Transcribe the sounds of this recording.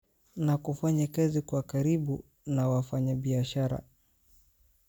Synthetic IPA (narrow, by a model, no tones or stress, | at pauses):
nakufaɲɛkɛzikwakaɾiɓu | nawafaɲaɓiaʃaɾa̰